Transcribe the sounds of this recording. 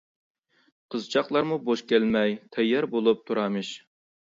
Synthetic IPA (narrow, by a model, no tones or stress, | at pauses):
qʰəzt͡ʃʰɑqlˠɑɾmuboʃkʲælmɛjt̪ʰɛjːɛɾbolˠup̚t̪ʰuɾɑmɨʃ